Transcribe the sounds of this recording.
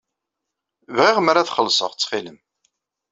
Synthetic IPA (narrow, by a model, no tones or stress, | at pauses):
vʁɪʁmaɾaθχəlːsˤə̰ʁt͡sːχiləm